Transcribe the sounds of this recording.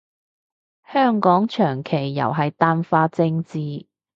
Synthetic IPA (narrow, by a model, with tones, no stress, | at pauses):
hœː˥ŋkɔː˨˥ŋt͡ʃʰœː˨˩ŋkʰe˨˩jːɐ̰˨˩wɦɐ˨jt̪aː˧nfaː˧t͡sɪ˧ŋt͡siː˨˧